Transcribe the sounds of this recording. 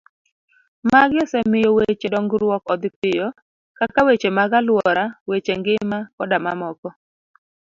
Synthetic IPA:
maɡjɔsɛmɪjɔwet͡ʃedɔŋɡɾwɔkɔd̪pɪjɔ | kakawet͡ʃemaɡalwɔɾawet͡ʃeŋɡɪmakɔdamamɔkɔ

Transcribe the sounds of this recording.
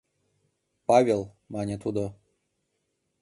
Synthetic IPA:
pɑvʲelˠ | mɑnʲet̪ud̪o

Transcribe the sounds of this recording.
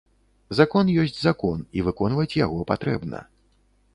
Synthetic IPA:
zakɔnjɔsʲt͡sʲzakɔnivɨkɔnvɐt͡sʲjaɣɔpat̪ɾɛ̰bnɐ̰

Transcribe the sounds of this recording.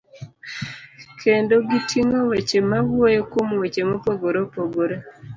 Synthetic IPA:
kʰendoɡitʰiŋowet͡ʃemawojokomwet͡ʃemopoɡoɾopoɡoɾo

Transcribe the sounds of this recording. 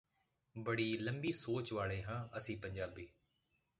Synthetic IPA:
bəɽiːləmbiːsoːt͡ʃʋaːɭeːɦãːəsĩːpəɲd͡ʒaːbiː

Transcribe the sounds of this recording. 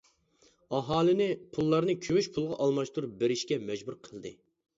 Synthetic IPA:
ɑɦɑːlɨnɪpʰulˠːɑɾnɨkʲʰøwyʃpʰulˠʁɑʔɑlˠmɑʃt̪uɾbeɾɪʃkʲɛmɛd͡ʒbuɾqʰəlˠd̪ɨ̰

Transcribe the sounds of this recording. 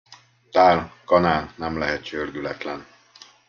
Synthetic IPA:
t̪aːlkɒnaːlnɛmlɛɦɛt̪t͡ʃørɡylɛt̪lɛn

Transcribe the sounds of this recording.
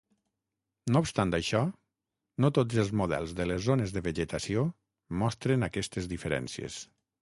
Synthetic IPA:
noupst̪ant̪ajʃɔ | not̪od͡zəlˠzmuðɛ̰lˠzðəlezːonezðəβəʒet̪asio | mɔst̪ɾenakɛst̪ezðifəɾɛ̰nsiḛs

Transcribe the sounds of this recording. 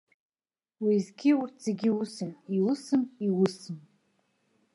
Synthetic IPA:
wizɡʲiurtʰz̥eɡʲiusɨniwusɨmiwʊsɨm

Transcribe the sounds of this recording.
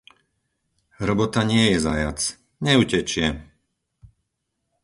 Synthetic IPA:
ɦɾɔbɔt̪aɲɪɛjɛzajat͡s | ɲɛucɛt͡ʃɪɛ

